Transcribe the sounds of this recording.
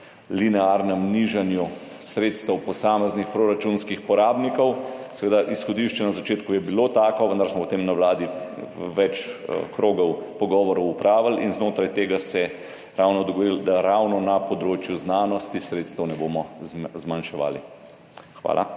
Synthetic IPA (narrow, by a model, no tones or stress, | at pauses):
linɛaːɾnɛmniʒanju | sɾeːt̪st̪ɛwpɔsaːmɛznixpɾoɾat͡ʃunskixpɔɾaːbnikɔwsɛʋeːd̪aʔisxɔd̪iʃt͡ʃɛnazat͡ʃeːt̪kujɛbiloːt̪aːkɔʋənd̪aɾsmɔpɔt̪emnawlaːd̪iʋɛt͡ʃkɾoːɡɔwpɔɡɔːʋɔɾɔwupɾaːʋalinznoːt̪ɾajt̪eːɡasɛ | ɾawnɔd̪ɔɡɔɾild̪aɾawnɔnapɔd̪ɾoːt͡ʃjuznaːnɔst̪isɾeːt̪st̪əwnɛbomɔzmanʃɛʋa̰ːlḭ | xʋa̰ːlʔa̰